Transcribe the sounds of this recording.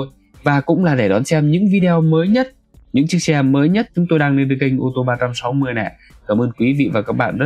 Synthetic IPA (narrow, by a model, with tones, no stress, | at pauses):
j | vaː˨˩kʊ̰˧˥ŋ͡mlaː˨˩ɗe˧˩ɗɔ˨˦nsɛ˧mɲɨ̰˧˥ŋvi˧ɗe˧ɔ˧məː˨˦jɲə˦˥t̚ | ɲɨ̰˧˥ŋt͡ɕi˦˥ək̚sɛ˧məː˨˦jɲə˦˥t̚t͡ɕʊ˨˦ŋ͡mt̪o˧jɗaː˧ŋne˧nɗɨ˨˦k̚ï˧ŋ̟ʔo˧t̪o˧ɓaː˧t͡ɕa˧msa˨˦wmɨ˧˩əjnɛ̰˧˨ | kaː˧˩mʔəː˧nkwi˨˦vḭ˧˨vaː˨˩kaː˦˥k̚ɓa̰ː˧˨nzə˦˥